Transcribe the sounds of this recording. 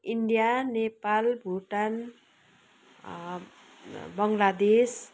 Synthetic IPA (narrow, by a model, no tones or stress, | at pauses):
iɳɖijanepalbʱuʈan | bʌŋlad̪es